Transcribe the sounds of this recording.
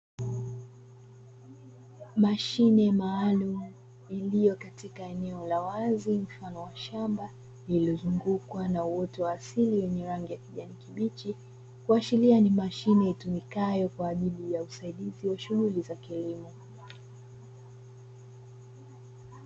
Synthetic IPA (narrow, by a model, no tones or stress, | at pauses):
maʃinɛmaːlumu | ilijɔkatikaɛnɛɔlawazim̩fanɔwaʃamba | liliɔzuŋɡukwanauwɔtɔwaːsiliwɛɲɛɾaŋɡijakiʄanikiɓit͡ʃi | kuat͡ʃilianimaʃinɛitumikajɔkwaːʄilijausaiɗiziwaʃuɣulizakilimɔ